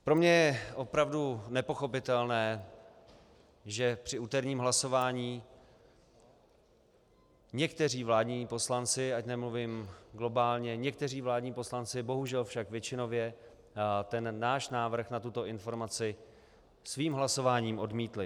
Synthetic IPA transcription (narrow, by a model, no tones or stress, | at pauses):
pɾo̞mɲɛjɛʔo̞pɾavdunɛpo̞xo̞pɪt̪ɛlnɛː | ʒɛpr̥ɪuːt̪ɛɾɲiːmɦlaso̞vaːɲiː | ɲɛkt̪ɛr̝iːvlaːdɲiːpo̞slant͡sɪacnɛmluviːmɡlo̞baːlɲɛɲɛk̚t̪ɛr̝iːvlaːdɲiːpo̞slant͡sɪbo̞ɦuʒɛlfʃakvjɛt͡ʃɪno̞vjɛ | t̪ɛnːaːʃnaːvr̩xnat̪ut̪o̞ɪnfo̞ɾmat͡sɪ | sviːmɦlaso̞vaːɲiːmʔo̞dmiːt̪lɪ